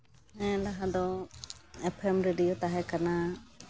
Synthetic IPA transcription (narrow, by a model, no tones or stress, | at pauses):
ɦɛ̃laɦad̪ɔ | ɛpʰɛmɾeɖijot̪aɦɛkana